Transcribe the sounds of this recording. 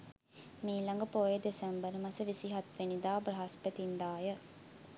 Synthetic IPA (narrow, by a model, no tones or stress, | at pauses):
miːlɐŋɡəpoːjed̪esembəɾmɐsəʋisiɦɐt̪ʋenid̪aːbɾɐɦɐspət̪ind̪aːjə